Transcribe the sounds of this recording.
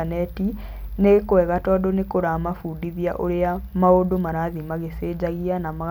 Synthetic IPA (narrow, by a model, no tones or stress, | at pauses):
anɛti | nekwɛɣatɔdɔnekoɾamafuːdiðiaʔoɾeamaodomaɾaðimaɣeseːd͡ʑaɣianama